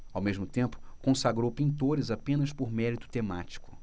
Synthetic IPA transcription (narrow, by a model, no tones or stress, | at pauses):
awmeʒmʊt̪ẽmpʊ̥kõsaɡɾowpĩnt̪̬oɾɪzapẽnɐspoɾmɛɾit̪ʊ̥t̪ema̰t͡ʃi̥kʊ̥